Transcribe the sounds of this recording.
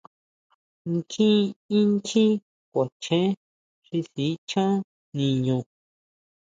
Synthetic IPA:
ŋ˦kʰĩ˦ĩ˦ŋkĩ˦ | kʷa˨t͡ʃẽ˦ | ʂi˧si˨˦t͡ʃã˦ | nĩ˧ɲũ˧˨

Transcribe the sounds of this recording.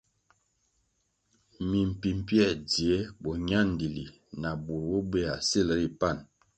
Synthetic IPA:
mi˨m̩˨pi˨m˨pjɛ˦˨di˨e˨˦bɔ˨ɲa˦n˨di˨li˨ | na˨bu˨ɾwo˦be˦˨a˨se˦lə˦ɾi˨pa˦˨n

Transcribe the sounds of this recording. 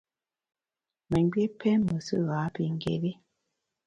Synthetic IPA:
mə˨˦ɡ͡be˦pɛ˦mə˨sə˦˨ɣa˨˦pi˨ŋ̩˦ɡḛ˨be˦

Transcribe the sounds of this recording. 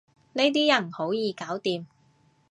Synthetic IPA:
ne˥jt̪iː˥jɐ˨˩nho˨˥wjiː˨˧kaː˨˥wt̪iː˨˧m

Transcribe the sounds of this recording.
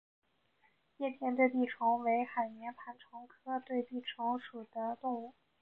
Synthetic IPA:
jjɛ˥˧t̪ʰjɛ˥˧nt̪we˥˧ɪp̪i˥˩ʈ͡ʂʰʊ˧˥ŋwe˧˥ɪxa˨˩ɪnjɛ˧˥npʰa˧˥nʈ͡ʂʰʊ˧˥ŋkʰɤ˥t̪we˥˧ɪt̪i˥˩ʈ͡ʂʰʊ˧˥ŋʂu˨˩d̪̥ə˦t̪ʊ˥˧ŋu˥˩

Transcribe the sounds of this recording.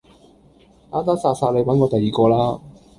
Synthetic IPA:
aː˥t̪aː˥saː˧saː˧le˨˧jwɐ˨˥nkɔː˨˧t̪ɐ˨jiː˨kɔː˧laː˥

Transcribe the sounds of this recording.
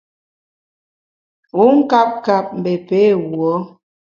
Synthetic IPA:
ɣu˨˦ŋ̩˦ka˦p̚ka˨p̚m̩˨be˨pe˨˦˨wwɔ˨˦

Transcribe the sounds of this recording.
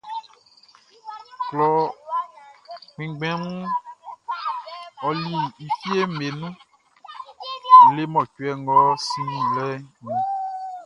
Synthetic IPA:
k͡plɔ˨ | k͡pĩ˨ɡ͡bɛ̃˦ŋũ˦ | ɔ˨li˨i˨fi˦e˦me˨nũ˦˨ | le˦mɔ̃˨t͡ʃu˦ɛ˦ŋɔ˦si˦nũ˨lɛ˦nĩ˨

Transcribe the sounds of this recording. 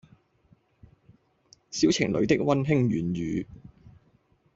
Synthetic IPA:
si˥wt͡sʰɪ˨˩ŋlɵ̰˨˧ɥt̪ɪ˥k̚wɐ˥nɦɪ˥ŋɥyː˨˩nɥyː˨˧

